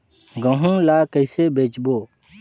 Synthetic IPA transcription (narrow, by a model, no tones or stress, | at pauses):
ɡə̃ɦũːlaːkəɪsebʱeːt͡ʃboː